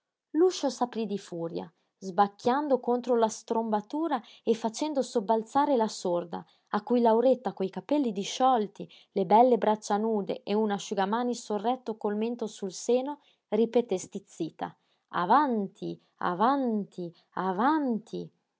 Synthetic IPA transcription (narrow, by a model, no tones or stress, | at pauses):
luʃosapɾid̪ifuːɾja̰ | zbakːjand̪okont̪ɾolast̪ɾombat̪uːɾa | efːat͡ʃɛnd̪osobːalt̪saːɾelasord̪a̰ː | kːujlawɾet̪ːakojkapɛlːid̪iʃːɔlt̪i | lebɛlːebɾat͡ʃːanuːd̪ḛʔeunaʃuɡamaːnisorːɛt̪ːokolment̪osulseːno | ripet̪est̪it̪sːiːt̪a̰ | a̰vant̪ʰi | a̰vant̪ʰi | avant̪ʰi